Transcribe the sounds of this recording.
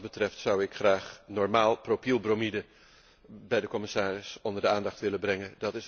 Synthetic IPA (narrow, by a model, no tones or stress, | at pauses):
bətrɛftsʌwɪkχraːχnɔɹmaːlˠpropilˠbromidə | bɛjdəkɔmɪsaːrɪsɔndəɹdəaːndɑχtʋɪlənbrɛŋəndɑtɪs